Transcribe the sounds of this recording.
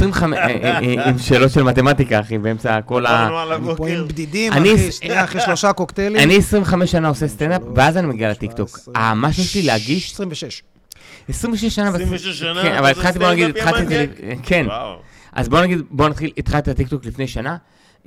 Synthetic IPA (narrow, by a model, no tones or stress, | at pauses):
esʁimveam | imʃe̞ːlo̞t̪ʃelmat̪emat̪ikaχibeemt͡sako̞la | imbd̪id̪ianiχiʃloʃakokt̪elianiesʁimveχameʃːanao̞sest̪end̪apveazanimeɡialet̪ikt̪o̞kamaʃujeʃlileaɡiʃssʁimveʃeʃ | esʁimveʃeʃːanavekenʔavalit̪χalt̪ibonaɡid̪it̪χalt̪izlkʰe̞n | ʔa̰zbo̞naɡid̪bo̞nat̪χilit̪χalt̪ilat̪ik̚t̪oklifne̞jʃana